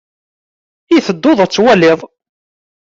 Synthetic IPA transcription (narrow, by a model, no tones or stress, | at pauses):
iθəd̪ːoðˤæt͡sːwælɪðˤ